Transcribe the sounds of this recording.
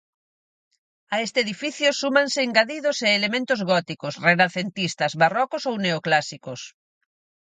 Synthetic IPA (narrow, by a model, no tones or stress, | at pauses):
aest̪eːðifiθjʊsumãnsɪːŋɡaðiðoseːlemẽnt̪ʊzɣɔt̪ikosrenaθent̪ist̪ɐzβarɔkosowneoklasikos